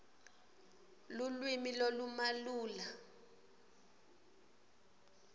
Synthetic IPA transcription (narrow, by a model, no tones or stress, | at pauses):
lulwimilolumaluːla